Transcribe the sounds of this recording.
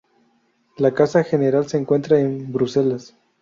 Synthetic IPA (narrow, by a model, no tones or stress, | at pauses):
lakasaxe̞ne̞ɾalse̞ːŋkwe̞nt̪ɾaembɾuse̞las